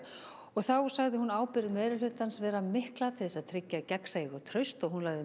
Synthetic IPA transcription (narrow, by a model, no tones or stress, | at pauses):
ɔɣθawsaɣðɪhunaːwpɪɾðmeːjɾɪlʏːt̪ansvɛːɾamɪhklat̪ʰɪðɛsaðt̪ʰɾɪcːacɛksaiɣɔt̪ʰɾœɥst̪ɔɣhunlaɣðɪ